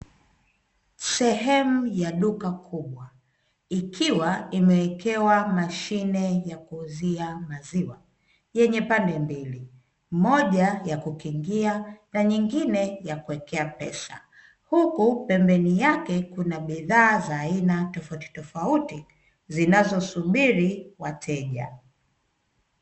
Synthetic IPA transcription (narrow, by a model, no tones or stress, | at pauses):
sɛɦɛmujaɗukakʰuɓwa | ikʰiwaimɛwɛkɛwamaʃinɛjakuziamaziwa | jɛɲɛpandɛmbili | mɔʄajakukiŋɡianaɲiŋɡinɛjakuwɛkɛapɛ̰sa̰ | hukupɛmbɛnijakɛkunaɓiðaːzaːinatɔfauti̥tɔfauti | zinazɔsuɓiɾiwatʰɛʄa̰